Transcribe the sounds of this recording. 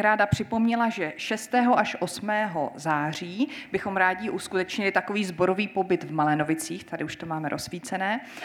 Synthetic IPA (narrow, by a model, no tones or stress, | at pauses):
ɾaːdapr̝̥ɪpo̞mɲɛlaʒɛʃɛst̪ɛːɦo̞ʔaʃʔo̞smɛːɦo̞̰zaːr̝iːbɪxo̞mɾaːɟɪʔuskut̪ɛt͡ʃɲɪlɪt̪ako̞viːzbo̞ɾo̞viːpo̞bɪt̪vmalɛno̞vɪt͡siːxt̪adɪuʃt̪omaːmɛɾʔosviːt͡sɛnɛː